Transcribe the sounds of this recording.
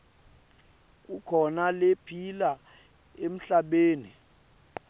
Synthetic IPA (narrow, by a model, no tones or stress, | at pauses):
k̬ʼukʰɔnalepʰila | em̩ɬaɓeːnḭ